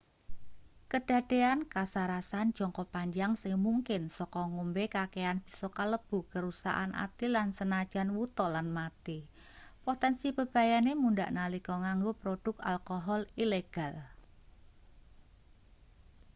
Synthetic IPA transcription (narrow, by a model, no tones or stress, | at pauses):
kəɖ̥a̤ɖ̥e̤ankasaɾasan̥d͡ʒ̥ɔ̤ŋkɔpaɲd͡ʒaŋsɪŋmuŋkɪnsɔkɔŋumbekakeanb̥i̤̥sɔkaləb̥ukəɾusa̰ʔa̰nʔa̰t̪ilansənad̥ʒ̥a̤nwut̪ɔlanmat̪i | pot̪ɛnsib̥ə̤b̥a̤janemundaʔnalikɔŋaŋɡopɾod̥ʊ̤k̚alkɔɦɔlileɡ̥al